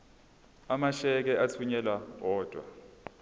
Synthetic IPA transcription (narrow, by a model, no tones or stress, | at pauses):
amaʃɛk̬ɛat͡sʰuɲɛlawɔːd̥ʱwa̰